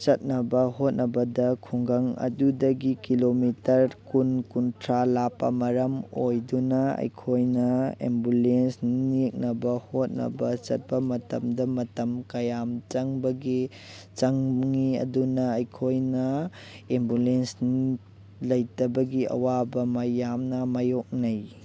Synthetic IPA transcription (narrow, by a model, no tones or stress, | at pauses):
t͡ʃɐt̚nɐbɐhot̚nɐbɐdɐkʰuŋɡɐŋɐ̰dudɐɡikilomitɐɾkunkuntʰɾalapːɐ̰mɐɾɐmojdunɐɐ̰jkʰojnɐḛmbulensnnik̚nɐbɐhot̚nɐ̰bɐt͡ʃɐ̰t̚pɐmɐtɐmdɐmɐtɐmkɐjamt͡ʃɐŋbɐɡi | t͡ʃɐŋŋiɐ̰dunɐːjkʰojnɐembulensni | lɐjtɐbɐɡiɐ̰wabɐmɐjamnɐmajok̚nɐj